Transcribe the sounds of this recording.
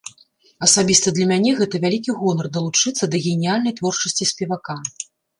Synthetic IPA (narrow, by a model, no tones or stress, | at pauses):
ɐsabʲist̪ɐd̪lʲɐmʲanʲɛɣɛt̪ɐvʲalʲikʲiɣɔnɐrd̪ɐlˠut͡ʂɨt̪sːɐd̪ɐɣʲɛnʲijalʲnɐjt̪vɔrt͡ʂɐsʲt͡sʲisʲpʲɛvaka